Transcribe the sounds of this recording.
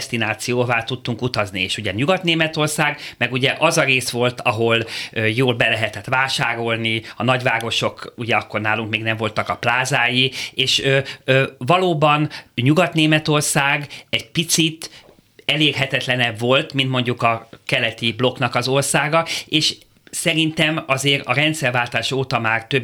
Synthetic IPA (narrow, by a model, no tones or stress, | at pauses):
st̪inaːt̪sijoːvaːt̪ut̪ːuŋkut̪ɒznieːʃuɟɛɲuɡɒt̪neːmɛt̪o̞rsaːɡmɛɡuɟɛʔɒzɒɾeːsʋo̞lt̪ʰɒɦo̞løjoːlbɛlɛɦɛt̪ɛt̪ʋaːʃaːɾo̞lniɒnɒɟʋaːɡo̞ʃo̞kuɟɛɒkːo̞rnaːluŋkmeːɡnɛɱvo̞lt̪ɒkɒplaːzaːjieːʃøøvɒloːbɒnɲuɡɒt̪neːmɛt̪o̞rsaːɡɛɟpit̪sit̪ | ɛleːrɦɛt̪ɛt̪lɛnɛbvo̞lt̪mint̪mo̞ɲɟukɒkɛlɛt̪iblo̞knɒkɒzo̞rsaːɡɒeːʃ | sɛɾint̪ɛmɒzeːɾɒɾɛnt̪sɛrvaːlt̪aːʃoːt̪ɒmaːrt̪øb